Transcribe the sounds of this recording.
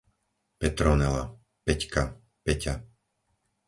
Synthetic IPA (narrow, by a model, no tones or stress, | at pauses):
pɛt̪ɾɔnɛla̰ | pɛcka | pɛca